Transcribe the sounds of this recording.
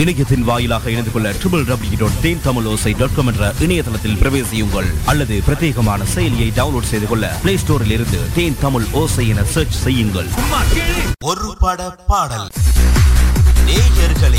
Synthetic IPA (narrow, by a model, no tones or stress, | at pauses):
ɪɳɐjɐt̪ːɪnʋaːjɪlaːɣɐɪɽɐnd̪ɯkɔɭːɐʈɾɪbɐlɖɐbɽɪjɪɾoːɖ̚t̪eːnt̪ɐmɯloːsɐɪɖɐːkɔmɛnɖrɐʔɪɳɐjɐt̪ɐlɐt̪ːɪlpɪɾɐʋeːsɪjɯŋɡɐɭɐlːɐðɯpɪɾɐt̪ːeːɣɐmaːnɐsɛjɐlɪjɐɪɖɐʋʊnloːɖsɛjðɯkɔɭːɐ̰pleːsʈoːɾɪlɪɾɯnd̪ɯt̪eːnt̪ɐmɯɭoːsɐɪɛnɐseːɾt͡ʃsɛjːɯŋɡɐ̰ɭː | ɔɾɯpɐɽɐpaːɽɐl | neːjɐɾɣɐɭ